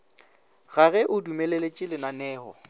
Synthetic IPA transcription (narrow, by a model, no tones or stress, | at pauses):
ɣaɣɛʔʊdumɛlelet͡ʃʼɪlɪnanɛːhɔ̰